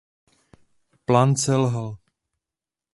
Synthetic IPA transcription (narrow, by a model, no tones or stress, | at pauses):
plaːnsɛlɦal